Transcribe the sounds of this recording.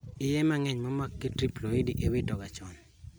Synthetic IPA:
ɪjɛmaŋɛɲmɔmakːetɾiploidiʔewidɔɡat͡ʃɔn

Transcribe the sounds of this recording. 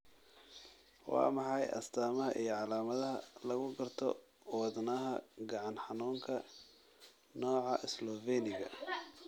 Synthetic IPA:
wɑ̰ːmɑħɑjʔɐ̰st̪ʰaːmɐɦɐʔijɞʕɑlaːmɐðɐɦɐlɐɣʊɡɐrt̪ʰɔ̰ | wɑðnɐɦɐ̰ɡɑʕɑnħɑnuːŋkʰɐ | nɔːʕɑʔɪslɔvɛnɪɣɐ̰

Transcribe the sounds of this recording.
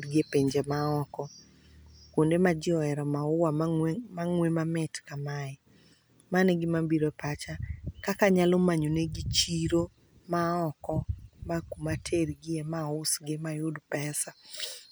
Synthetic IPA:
ɾɡɪepeɲd͡ʒemaɔkɔ | kwondemad͡ʒɪɔɛɾɔmaʊwamaŋwemamɪtkamaɛ | maneɡɪmabiɾopat͡ʃakakaɲalɔmaɲoneɡit͡ʃiɾo | maɔkɔmakumatʰerɡɪemaʊsɡɪmajʊdpɛsa

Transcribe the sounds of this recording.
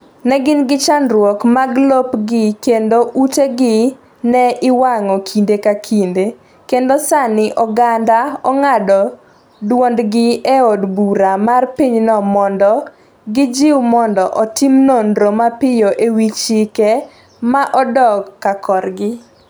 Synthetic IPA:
nɛɡɪnɡɪt͡ʃanɾwɔkmaɡlopɡɪkendoʔuteɡɪ | nɛʔɪwaŋɔkʰindekakʰinde | kendosanɪʔɔɡandaɔŋadɔ | dwɔndɡɪeɔdbuɾamarpiɲnɔmɔndɔ | ɡɪd͡ʒɪwmɔndɔʔɔtɪimnondɾomapɪjoʔewit͡ʃike | maʔɔdɔɡkːakʰɔrɡɪ

